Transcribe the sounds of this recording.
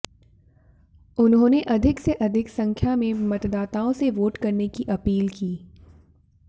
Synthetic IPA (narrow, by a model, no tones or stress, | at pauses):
ʊnɦõːneʔɐd̪ʱɪkseʔɐd̪ʱɪksɐ̃ŋkʰjamẽmɐt̪d̪aːt̪aːõseʋoːʈkɐɾnekiʔɐpiːlkiː